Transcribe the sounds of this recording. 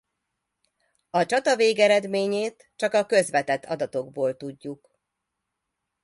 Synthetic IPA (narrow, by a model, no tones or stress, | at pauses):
ɒt͡ʃɒt̪ɒveːɡɛɾɛd̪meːɲeːt̪ | t͡ʃɒkɒkø̞zʋɛt̪ɛt̪ʰːɒd̪ɒt̪o̞ɡboːlt̪uɟːuk